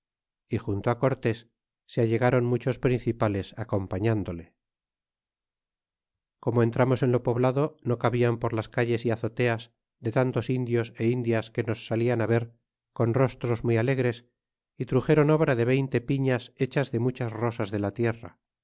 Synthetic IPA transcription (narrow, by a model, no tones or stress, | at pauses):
ixunt̪oako̞ɾt̪e̞sː | eaʎe̞ɣaɾo̞nmut͡ʃo̞spɾinθipale̞sako̞mpaɲand̪o̞le̞ | ko̞moe̞nt̪ɾamo̞se̞nlo̞po̞βlaðo̞no̞kaβiampo̞ɾlaskaʎe̞siaθo̞t̪e̞az | ðe̞t̪ant̪o̞sind̪jo̞se̞ind̪jaske̞no̞sːalianaβe̞ɾ | ko̞nro̞st̪ɾo̞zmijale̞ɣɾe̞s | it̪ɾuxe̞ɾo̞no̞βɾaðe̞β̞e̞jnt̪e̞piɲase̞t͡ʃazðe̞mut͡ʃasro̞sazðe̞lat̪je̞ra̰